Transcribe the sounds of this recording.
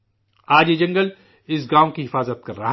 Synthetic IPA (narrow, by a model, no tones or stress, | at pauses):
aːd͡ʒjed͡ʒɐ̃ŋɡəl | ɪs̬ɡaːw̃kiɦɪfaːzət̪̚kɐɾːɐɦ